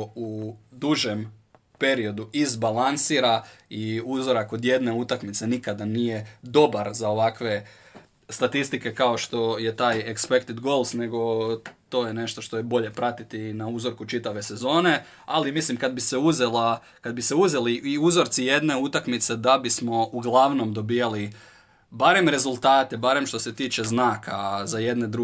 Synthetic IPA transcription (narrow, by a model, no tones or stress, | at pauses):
ud̪uʒe̞m | pe̞ɾio̞d̪uizbalansiːɾaiuzo̞ɾakːo̞d̪je̞d̪ne̞ut̪akmit̪se̞nikad̪anije̞d̪o̞baɾzao̞ʋakʋe̞ | st̪at̪ist̪ike̞kaoʃt̪o̞jet̪aːjekspekt̪it̪ɡo̞lˠsne̞ɡo̞t̪o̞ːjene̞ʃt̪o̞ʃt̪o̞jebo̞ʎe̞pɾat̪it̪inauzo̞ɾkut͡ʃit̪aʋe̞se̞zo̞ːne̞ | alimislimkad̪bise̞uzela | kad̪̚bise̞uze̞liiuzo̞ɾt̪sije̞d̪ne̞ut̪akmit̪se̞d̪abismo̞ʔuɡlaʋno̞md̪o̞bijali | baɾe̞mɾe̞zulˠt̪aːt̪e̞baɾe̞mʃt̪o̞se̞t̪iːt͡ʃe̞znaːkazaje̞d̪ne̞d̪ɾu